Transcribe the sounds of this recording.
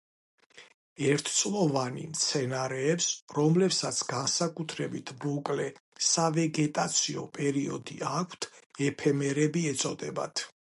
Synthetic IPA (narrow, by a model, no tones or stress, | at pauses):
ɛɾt̪ʰt̪sʼlˠɔvanḭmt̪sʰɛnaɾɛːpsɾɔmlɛpsat̪sʰɡansakʼut̪ʰɾɛbit̪ʰmɔkʼlɛsavɛɡɛt̪ʼat̪sʰiɔpʼɛɾiɔd̪iakʷʰt̪ʰɛpʰɛmɛɾɛbiɛt̪sʼɔd̪ɛba̰t̪ʰ